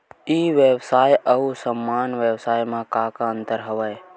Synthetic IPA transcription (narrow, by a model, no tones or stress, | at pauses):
iʋebsaːjəsəmːaːnʋebsaːjmãkakaə̃nt̪əɾɦəʋəj